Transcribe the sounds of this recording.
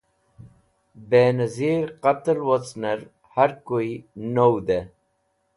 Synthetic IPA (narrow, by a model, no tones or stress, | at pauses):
beːnɐziːɾqɐt̪lwot͡sneɾ | hɐɾkoinowd̪e